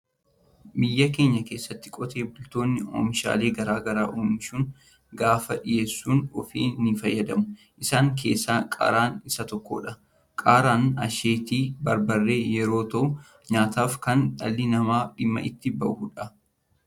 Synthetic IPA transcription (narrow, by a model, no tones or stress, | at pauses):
bɪjːɐke̞ːɲːɐke̞ːsːɐt̪ːɪ̥kʼɔt̪ʰe̞ːbʊlt̪o̞ːnːɪo̰ːmɪʃa̰ːle̞ːɡɐɾaːɡɐɾaːʔuːmɪʃuːn | ɡaːfɐᶑɪje̞ːsːuːnɔfḭːnifɐjːɐd̪ɐmʊ | ʔɪsaːŋk̬ʰe̞̰ːsːaːkʼa̰ɾaːnɪsɐt̪ɔkːo̰ːᶑɐ | kʼaːɾaːnɐʃeːt̪iːbɐɾbɐrːe̞ːjɛɾo̞ːt̪ɐʔʊ | ɲaːt̪aːfkɐnᶑɐ̰lːɪnɐmaːᶑɪmːɐ̰ʔɪt̪ːɪbɐʔuːᶑɐ